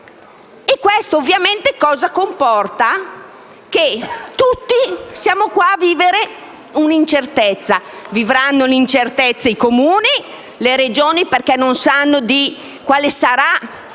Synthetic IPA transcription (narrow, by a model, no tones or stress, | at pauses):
ekːwest̪oːvːjament̪ekɔːzakompɔrt̪a | k̟et̪ut̪ːisjaːmokwaːvːiːveɾe | unint͡ʃert̪ɛt̪sːavivɾanːolint͡ʃert̪ɛt̪sːaikomuːni | leɾed͡ʒoːniperkɛnːonsanːod̪i | kwaːlesaɾa